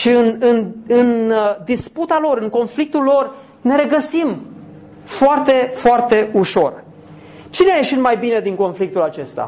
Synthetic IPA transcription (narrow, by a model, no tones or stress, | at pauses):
ʃiɨnɨnɨnd̪isput̪alo̞ɾɨŋko̞nflik̚t̪ulːo̞r | ne̞ɾe̞ɡəsim | foart̪e̞foart̪e̞uʃo̞r | t͡ʃineaje̞ʃit̪majbine̞d̪iŋko̞nflik̚t̪ulat͡ʃe̞st̪a̰